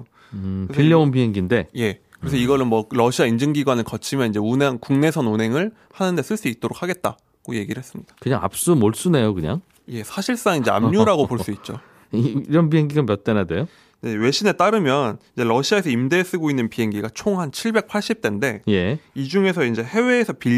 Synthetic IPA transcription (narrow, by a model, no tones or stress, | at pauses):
ɯepiʎːjʌonpiɦe̞ŋɡinde̞je̞kɯɾe̞sʰʌiɡʌɾɯnmwʌɾʌɕʰiaind͡ʑɯŋɡiɡwanɯɭkʌt͡ɕʰimjʌniɲd͡ʑe̞uneŋkuŋne̞sʰʌnunɦe̞ŋɯɭ | hanɯnde̞s͈ɯɭs͈uit̚t͈oɾokʰaɡe̞t̚t͈a̰ | ɡ̥oje̞ɡiɾɯɭhɦe̞s͈ɯmɲid̥ḁkɯɲaŋa̰p̚s͈umoɭs͈une̞jokɯɲa̰ŋ | je̞sʰaɕʰiɭs͈aŋind͡ʑe̞a̰mɲuɾaɡopoɭs͈uit̚t͡ɕ͈o̰ | iɾʌnp̬iɦe̞ŋɡiɡanmjʌt̚t͈enade̞jo | je̞we̞ɕʰine̞t͈aɾɯmjʌnid͡ʑe̞ɾʌɕʰiae̞sʰʌimde̞ːs͈ɯɡoinːɯnpiɦe̞ŋɡiɡat͡ɕʰoŋhant͡ɕʰiɭbe̞k̚pʰaɭɕ͈ip̚t͈ende̞je̞id͡ʑuŋe̞sʰʌind͡ʑe̞he̞we̞ːsʰʌpi